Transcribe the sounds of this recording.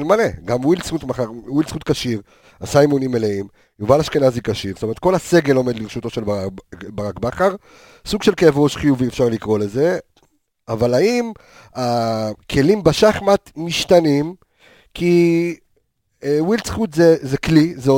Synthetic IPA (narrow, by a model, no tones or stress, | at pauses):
lmaleɡamwilsχutmaχaʁwilsχut̪̚kaʃiʁ | asajmonimːeleim | juvalaʃkenazikaʃiʁstomet̪̚ko̞lase̞ɡe̞lo̞med̪liʁeʃut̪o̞ʃelabaʁakbaχaʁ | suɡʃe̞lkevʁoʃχijuviefʃaʁlikʁo̞leze̞ | avalaim | akʰe̞limbaʃaχmat̪miʃt̪anim | kʰi | ewilsχut̪zezeklizo